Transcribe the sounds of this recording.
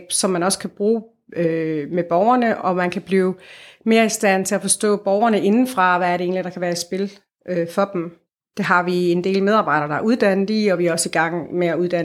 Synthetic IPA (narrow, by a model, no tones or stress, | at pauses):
b̥sɒ̽mːænɒ̽sə̥kʰæb̥ʁuː | ømeb̥ɒʊɐnəʔɒ̽mænkʰæb̥liːʊme̝ːɐisd̥æn̰t͡sʰe̝læfɒ̽sd̥ɔ̰̽ːb̥ɒʊɐnəʔe̝nn̩fʁɑ̈ʋææɐɾee̝ːnlid̥ɑ̈kʰæʋæːɐi̥sb̥e̝l | ʔøfɒ̽d̥m̩ | d̥e̝ɦɑ̈ʋie̝nd̥e̝̰ːlmeð̞ˠɑ̈ːb̥ɑ̈ɪ̰ɾ̥ɐd̥ɑ̈æɐuðˠd̥æn̰ð̩ˠiɒ̽ʋihɑɒ̽siɡ̥ɑ̈ŋ̰meæuðˠd̥æn